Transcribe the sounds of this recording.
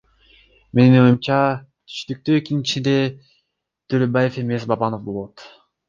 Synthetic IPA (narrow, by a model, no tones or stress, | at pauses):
me̞nino̞jumt͡ʃɑ | t̪ʰy̥ʃt̪yk̚t̪yːikinit͡ʃind̪e̞ | t̪øɾøbaje̞fe̞me̞sbɑbɑno̞fbo̞lˠot̪